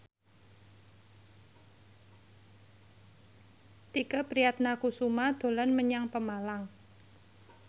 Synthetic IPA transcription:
t̪ikəpɾijat̪̚nakusumad̪̥o̤lɔnməɲaŋpəmalaŋ

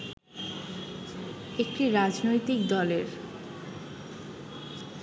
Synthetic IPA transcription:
ek̚ʈiɾad͡ʑnojt̪ik̚d̪ɔleɾ

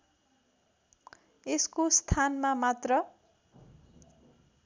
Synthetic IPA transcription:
eskost̪ʰanmamat̪rʌ

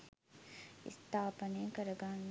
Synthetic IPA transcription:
ɪ̰st̪ʰaːpəneːkɐɾɐɡaːn

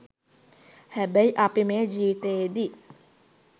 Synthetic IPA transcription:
hæbəjʔapimeːd͡ʒiːʋit̪eːd̪i

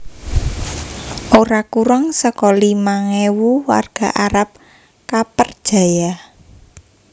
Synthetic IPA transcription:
ʔoɾakuɾaŋsəkɔlimaŋewuwa̰rɡ̥a̤ʔaɾap̚ | kapərd̥ʒ̥a̤jah

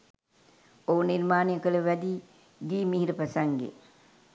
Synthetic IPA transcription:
ouniɾmaːnijəkələʋæd̪iː | ɡiːmiɦiɾəpæsaŋɡḛ

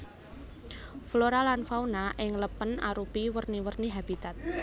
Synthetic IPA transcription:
floɾalanfaunaʔɪŋləpəna̰ɾupiwərniwərniɦab̥it̪at̪̚

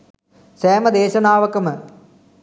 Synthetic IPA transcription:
seːmɐd̪eːɕɐnaːʋɐkːɐmɨ

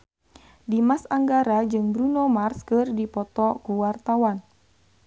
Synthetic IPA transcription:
dimasaŋɡaɾad͡ʒɨŋbɾunomarskɨrdipɔt̪ɔkuwart̪awan

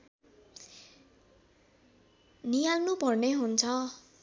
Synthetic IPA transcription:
nijalnupʌrneɦunt͡sʰʌ

